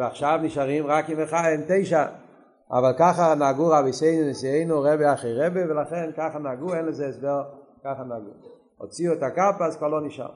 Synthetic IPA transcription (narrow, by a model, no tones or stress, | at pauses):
aχʃavnɪʃaʁimʁakɪnvəχajɪmteɪʃa | a̰valˠkaχanaɡuʁabeɪseɪnʊnɪsieɪnuʁɛbeaχeʁɛbevɪlˠaχɛnkaχanaɡuɛnləzɛsvɛl | kaχanaɡṵ | ɔ̰t͡siɔtakapaskvalˠɔnɪʃa̰